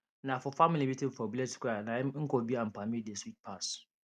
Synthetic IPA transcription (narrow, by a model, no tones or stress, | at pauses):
nãfɔfamilimitĩm̩fɔbiɛtkanãŋ̩kɔbiãm̩pʰamideswit̚pʰas